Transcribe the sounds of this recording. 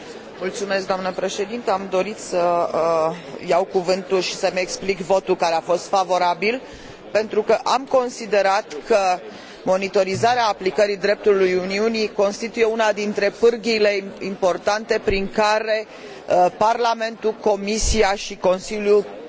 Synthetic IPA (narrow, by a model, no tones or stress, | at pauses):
mult̪sume̞sk̚d̪oamnəpɾe̞ʃe̞d̪int̪əamd̪o̞ɾit̪sə | jawkuvɨnt̪ulʃi̥səmʲeksplikvo̞t̪ulkaɾeafo̞st̪favo̞ɾabil | pent̪ɾukəʔamko̞nsid̪e̞ɾat̪kʰə | mo̞nit̪o̞ɾizaɾeaːplikəɾid̪ɾe̞p̚t̪ulujuniuniko̞nst̪it̪uje̞unad̪int̪ɾe̞pɨrɡile̞impo̞rt̪ant̪e̞pɾiŋkaɾe̞ | parlame̞nt̪uko̞misiaʃiko̞nsilju